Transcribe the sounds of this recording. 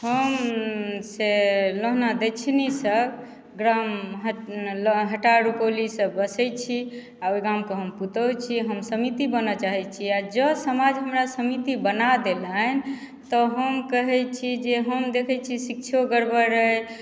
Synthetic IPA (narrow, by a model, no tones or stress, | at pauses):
həm | seloɦnad̪et͡ʃʰnisəb | ɡɾamɦəlɦəʈaɾupolisəbəsət͡ʃʰi | aojɡamkeɦəmput̪ət͡ʃʰiɦəmsəmit̪ibənət͡ʃaɦɛt͡ʃʰiad͡ʒəsəmad͡ʒɦəmɾasəmit̪ibənad̪elən | t̪ɔɦəmkəɦɛt͡ʃʰid͡ʒeɦəmd̪ekʰɛt͡ʃʰisik̚t͡ʃʰoɡəɾbəɾəj